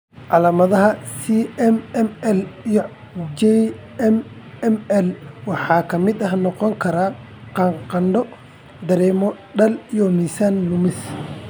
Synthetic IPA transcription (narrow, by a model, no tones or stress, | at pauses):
ʕɑlaːmɐðɐɦɐsiɛmɛmɛlijɔ | d͡ʒɛ | ɛm | ɛmɛlwɑħɑːkʰɐmɪd̪ɐɦnɔqɔŋkʰɐɾaː | qɑŋqɑnɖɔ | d̪ɐɾɛːmɔ | ɖɐlijɔnɪsannʊmɪs